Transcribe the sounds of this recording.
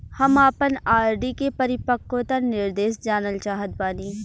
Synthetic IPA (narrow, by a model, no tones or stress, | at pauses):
hɐmaːpənaːɾɖikepɐɾɪpəkːõt̪ɐnɪɾd̪eːsd͡ʒaːnəlt͡ʃaːɦət̪̚baːniː